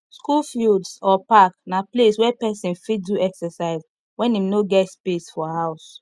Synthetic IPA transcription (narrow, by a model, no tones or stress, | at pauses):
skulfildsɔpaknapleswɛpɛsĩnfiduɛksɛsaɪz | wɛ̃nimnoɡɛtspesfɔɦaʊs